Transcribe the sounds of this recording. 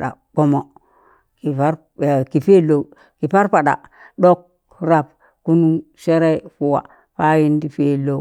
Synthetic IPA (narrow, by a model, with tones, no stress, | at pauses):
da̰˨k͡po˦mo˨ | ki˨a˦ɾ | ki˨fe˦lo˨ | ki˨pa˦ɾpa˨ɗa̰˨ | ɗo˦k̚ | ɾa˨p̚ | ku˦nu˦ | se˦ɾe˦fu˨wa̰˨ | pa˦ji˦ndi˨fe˦lo˦˨˦